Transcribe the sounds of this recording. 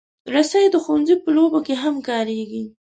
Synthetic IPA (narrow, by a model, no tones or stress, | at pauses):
ɾasajd̪əxownzipəlobokeɦamkɑɾeɡi